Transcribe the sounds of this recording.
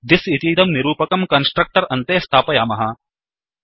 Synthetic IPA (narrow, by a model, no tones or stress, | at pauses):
d̪isit̪iːd̪ɐmniɾuːpɐkɐmkɐnsʈɾɐk̚ʈɐɾɐnt̪eːst̪ʰaːpɐjaːmɐɦɐ